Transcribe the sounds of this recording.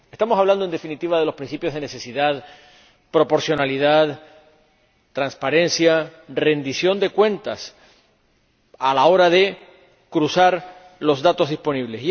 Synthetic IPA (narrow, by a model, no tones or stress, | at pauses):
e̞st̪amo̞saβland̪o̞nd̪e̞finit̪iβ̞aðe̞lo̞spɾin̟θipjo̞zð̞e̞nese̞siðað | pɾo̞po̞ɾsjo̞naliðað | t̪ɾanspaɾẽ̞nsjare̞nd̪isjo̞nd̪e̞kwẽ̞nt̪as | alao̞ɾaðe̞ | kɾusaɾ | lo̞zðat̪o̞zðispo̞niβle̞si